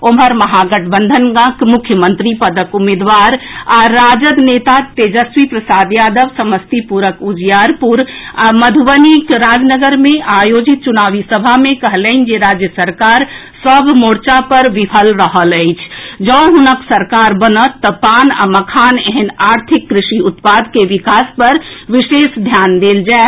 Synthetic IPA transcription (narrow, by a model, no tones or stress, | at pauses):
oməɾməɦaɡəʈʰbənd̪ʱənɡãkmukʰjəmənt̪ɾipəd̪əkumed̪ʋaɾaɾːad͡ʒəd̪net̪at̪ed͡ʒəswipɾəsad̪jad̪əʋsəməst̪ipuɾəkud͡ʒjaɾpuɾaməd̪ʱuʋənikɾad͡ʒnəɡəɾmẽajod͡ʒit̪̚t͡ʃunaʋisəbʱamẽkəɦlənd͡ʒeɾad͡ʒjəsəɾkaɾ | səbʱmoːɽt͡ʃapəɾʋɪpʰəlɾəɦələɪt͡ʃʰd͡ʒə̃ːɦʊnəksəɾkaːɾbənət̪ːɔpaːna̰məkʰaːneɦɛnaːɾt̪ʰɪkːɾɪʃiʊt̪paːd̪keʋɪkaːspəɾʋɪʃeːʃd̪ʱjaːnd̪eːld͡ʒaɛ